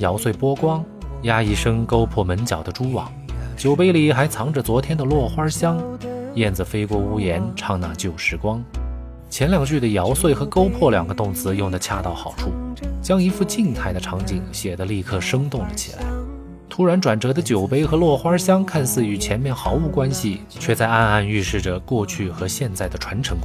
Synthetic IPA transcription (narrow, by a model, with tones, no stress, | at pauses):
jɑ˧˥ʊswe˥˩ɪpwɔ˥kwɑ˥ŋ | ja˥i˧˥ʂɤ˥ŋko˥ʊpʰwɔ˥˩mə˧˥nt͡ɕjɑ˨˩ʊd̪ə˦ʈ͡ʂu˥wɑ̰˨˩˦ŋt͡ɕjo˨˩ʊpe˥ɪli˨˩xa˧˥ɪt͡sʰɑ˧˥ŋʈ͡ʂə˨t͡swɔ˧˥t̪ʰjɛ˥nd̪ə˨lwɔ˥˩xwa˥ɕjɑ˥ŋjɛ˥˩nd͡z̩˩fe˥ɪkwɔ˥˩u˥jɛ˧˥nʈ͡ʂʰɑ˥˧ŋna̰˥˧˩t͡ɕjo˥˩ʊʂɻ̩˧˥kwɑ˥ŋ | t͡ɕʰjɛ˧˥nljɑ˨˩ŋt͡ɕy˥˩d̪ə˩jɑ˧˥ʊswe˥˩ɪxɤ˧˥ko˥ʊpʰwɔ˥˩ljɑ˨˩ŋɡə˦t̪ʊ˥˩ŋt͡sɹ̩˧˥jʊ˥˩ŋd̪ə˩t͡ɕʰja˥˧t̪ɑ˥˩ʊxɑ˨˩ʊʈ͡ʂʰu˥˩t͡ɕjɑ˥ŋi˧˥fu˥˧t͡ɕi˥˧ŋt̪ʰa˥˩ɪd̪ə˩ʈ͡ʂʰɑ˧˥ŋt͡ɕi˨˩ŋɕjɛ˨˩d̪ə˦li˥˧kʰɤ˥˩ʂɤ˥ŋt̪ʊ˥˩ŋlə̰˩t͡ɕʰḭ˨˩la̰˧˥ɪ | t̪ʰu˧˥ɻa˧˥nʈ͡ʂwa˨˩nʈ͡ʂɤ˧˥d̪ə˧t͡ɕjo˨˩ʊpe˥ɪxɤ˧˥lwɔ˥˩xwa˥ɕjɑ˥ŋkʰa˥˧nsɹ̩˥˩y˧˥t͡ɕʰjɛ˧˥nmjɛ˥˩nxɑ˧˥ʊu˧˥˩kwa˥nɕi˨ | t͡ɕʰɥɛ˥˧t͡sa˥˧ɪa˥˧na˥˧ny˥˧ʂɻ̩˥˩ʈ͡ʂə˩kwɔ˥˧t͡ɕʰy˥˩xɤ˧˥ɕjɛ˥˧nt͡sa˥˩ɪd̪ə˩ʈ͡ʂʰwa˧˥nʈ͡ʂʰɤ˧˥ŋk